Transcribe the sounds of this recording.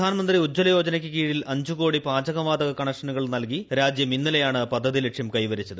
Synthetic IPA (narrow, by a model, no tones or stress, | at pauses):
aːnɐmɐnd̪riud͡ʑːɐlɐjo̞ːd͡ʑɐnɐkʲːɨkiːɽilɐɲd͡ʑuko̞ːɽipaːd͡ʑɐɣɐʋaːd̪ɐɣɐkɐɳɐkʂɐnuɣɐɭnɐlkiɾaːd͡ʑjɐminːilɐjaːɳɨpɐd̪ʱːɐðilekʂjɐmkɐjʋɐɾit͡ɕːɐðɨ